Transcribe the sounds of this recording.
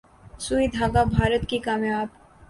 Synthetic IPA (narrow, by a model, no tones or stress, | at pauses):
suid̪ʱaːɡabʱaːɾət̪kikaːmjaːb̚